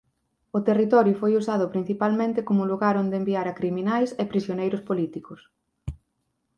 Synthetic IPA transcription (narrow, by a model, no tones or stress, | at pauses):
ʊt̪erit̪ɔɾjʊfojusað̞ʊpɾin̟θipalmẽnt̪ɪkomʊluɣaɾond̪embiaɾɐkɾiminajsepɾisjonejɾʊspolit̪ikʊs